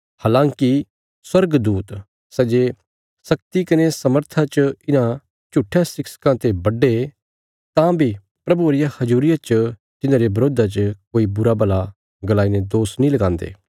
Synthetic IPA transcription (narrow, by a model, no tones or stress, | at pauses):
haːlãːŋki | swɐɾɡd̪uːt̪ | sɛd͡ʒe | sɐkt̪ikɐnesɐməɾt̪ʰat͡ʃəɪnã | t͡ʃuʈʰːjãsɪksə̥kãt̪ebɐɖe | t̪ãbʱi | pɾɐbuɾɪjahɐzuːɾɪjat͡ʃə | t̪ɪnãːɾebɐɾoːd̪at͡ʃəkoːibʊɾabɐla | ɡɐlaːined̪oːsnĩlɐɡãːnd̪ḛː